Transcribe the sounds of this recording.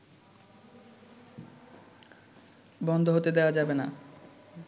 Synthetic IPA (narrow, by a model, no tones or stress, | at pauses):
bɔnd̪ʱoɦot̪ed̪eoad͡ʑabena